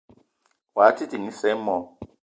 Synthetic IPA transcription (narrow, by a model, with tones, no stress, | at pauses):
wa˨˦ti˦ti˨ŋi˦sɛ˦mɔ˨˦